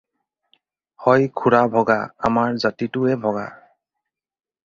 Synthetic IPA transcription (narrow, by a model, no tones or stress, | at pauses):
hɔjkʰuɹabʱɔɡa̰a̰maɹzatitʊɛbʱɔɡa̰